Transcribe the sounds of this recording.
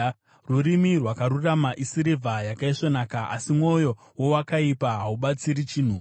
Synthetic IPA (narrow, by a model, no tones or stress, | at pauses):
ruɾimirwakaɾuramaʔisiɾivʱajakaiʂo̞naːkaʔa̰simwo̞jo̞ | wowakaipaɦauɓat͡siɾit͡ʃiːn̤u